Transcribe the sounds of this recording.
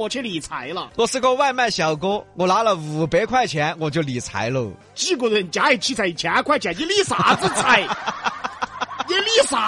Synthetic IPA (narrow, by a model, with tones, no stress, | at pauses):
wɔ˨˩t͡ɕʰɛ˥˧li˨˩t͡sʰa˧˥ɪlə̰˧t̪ɔ˥˩sɹ̩˥˧ko˥ʊwa˥˧ɪma˥˩nɕjɑ˨˩ʊko˥ʊwɔ˨˩la˧˥lə˨u˨˩pe˧˥ɪkʰwa˥˩ɪt͡ɕʰjɛ˧˥nwɔ˨˩t͡ɕjo˥˩ʊli˨˩t͡sʰa̰˧˥ɪlə˧˩ | ʈ͡ʂ̩˥˧ko˧˩d̪n˨˩t͡ɕja˧˥i˨˩t͡ɕʰi˥˩t͡sʰa˧˩ɪ˨˩t͡ɕʰɛ˧˥kʰwa˥˩ɪt͡ɕʰa˨˧˩jɛ˧˥li˥˩sa̰˨˧˥t͡sɹ̩˥˧t͡sʰa˨˧˩ɪ | jɛ˧˥li˥˩sa˧˩